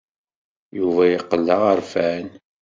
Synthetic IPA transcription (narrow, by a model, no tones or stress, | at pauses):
juvæjəqːəlːəʁəɾfæn